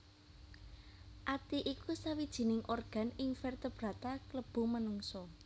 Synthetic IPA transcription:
ʔat̪iʔikusawid̥ʒ̥i̤nɪŋʔorɡ̥a̤nɪŋfɛrt̪əb̥ɾä̤t̪akləb̥ṳmənuŋsɔ

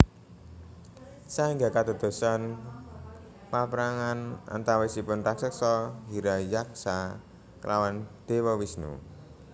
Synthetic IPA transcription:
saiŋɡakad̪o̤d̪̥ṳsan | papɾaŋana̰nt̪awesipʊnraksək̚sɔɦiɾajak̚sa | kəlawand̪̥ewɔwisnṵ

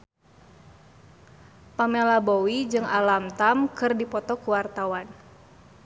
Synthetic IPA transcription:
pamelabowid͡ʒɨŋa̰lamt̪amkɨrdipɔt̪ɔkuwart̪awan

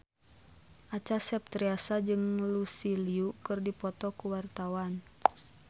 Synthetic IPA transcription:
ʔat͡ʃasɛp̚t̪ɾiasad͡ʒɨŋlusiliukɨrdipɔt̪ɔkuwart̪awan

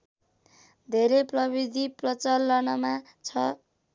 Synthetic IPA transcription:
d̪ʱeɾeprʌbid̪ʱiprʌt͡sʌlːʌnʌma | t͡sʰʌ

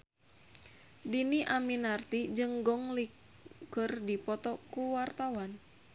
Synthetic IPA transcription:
diniʔaminart̪id͡ʒɨŋɡɔŋli | kɨrdipɔt̪ɔkuwart̪awan

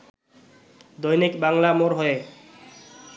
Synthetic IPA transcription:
d̪ojnikbaŋlamoɾɦɔje

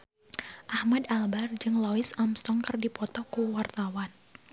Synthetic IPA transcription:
ʔahmadalbard͡ʒɨŋlɔɪsamst̪ɔŋkɨrdipɔt̪ɔkuwart̪awan

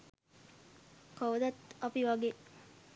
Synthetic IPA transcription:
kowd̪at̪apiʋaɡe

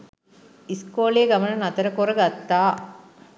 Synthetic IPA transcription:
iskoːleːɡɐmɐnɐnɐt̪ɐɾɐkoɾɐɡat̪ːaː

